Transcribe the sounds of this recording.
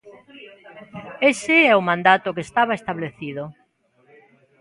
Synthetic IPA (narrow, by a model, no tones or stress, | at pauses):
esɪɛʊmãnd̪at̪ʊkest̪aβ̞aest̪aβleθiðʊ